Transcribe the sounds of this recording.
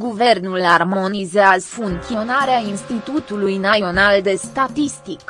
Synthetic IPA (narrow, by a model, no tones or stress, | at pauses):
ɡuve̞rnularmo̞nizeazfunio̞naɾeainst̪it̪ut̪ulujnaio̞nald̪e̞st̪at̪ist̪ik